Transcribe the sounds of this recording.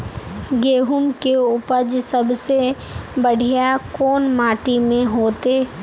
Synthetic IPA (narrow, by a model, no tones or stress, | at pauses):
ɡeːɦʊmkeʊpəd͡ʒsəbse | bəɽ̤ʱijakoːnmaːʈimẽɦoːt̪eː